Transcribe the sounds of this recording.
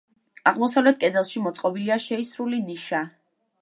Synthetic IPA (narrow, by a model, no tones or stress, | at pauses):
aʁmɔsavlɛt̪̚ʰkʼɛd̪ɛlˠʃimɔt̪sʼqʼɔbiliaʃɛisɾuliniʃa